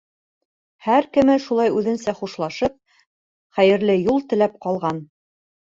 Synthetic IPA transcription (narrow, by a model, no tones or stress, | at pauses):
hæɾkɘ̆mɘʃulˠɑjʉðɘ̆nsæχuʃlˠɑʃɤp̚ | χæjɘ̆ɾlɘjulˠt̪ɘ̆læp̚qɑlˠʁɑn